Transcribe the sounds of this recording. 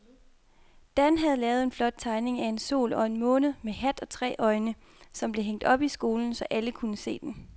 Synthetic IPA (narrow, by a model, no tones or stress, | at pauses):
d̥ænɦæðˠlɛːʊð̞̩ˠe̝nflɒ̽d̥̚t͡sʰɑ̈ɪne̝ŋæe̝nso̝̰ːlɒ̽e̝nmɔ̽ːnð̩ˠmeɦæd̥ɒ̽t͡sʰʁɛ̰ːʔɒ̽ɪnə | sɒ̽mb̥le̝ɦeŋ̰d̥ɒ̽b̥isɡ̥o̝ːln̩sɒ̽ʔæləkʰunəse̝̰ːd̥en